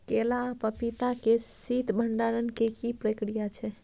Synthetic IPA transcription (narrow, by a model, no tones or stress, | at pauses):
kelapəpit̪akesit̪bʱəɳɖaɾənkekipɾəkɾijat͡ʃʰɛ